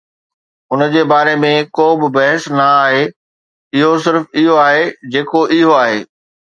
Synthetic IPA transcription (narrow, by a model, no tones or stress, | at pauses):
ʊnəd͡ʑeːbaːɾemẽkoːbɪbɐɦəsnɐaːɦe | ɪɦosɪɾfɪɦoaːɦed͡ʑeːkoʔɪɦoaːɦeː